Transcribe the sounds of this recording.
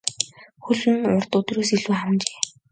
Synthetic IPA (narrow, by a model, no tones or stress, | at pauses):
xuɮɘ̆nʊrt̪ʊt̪roːsiɮuːχamt͡ɕe̥ː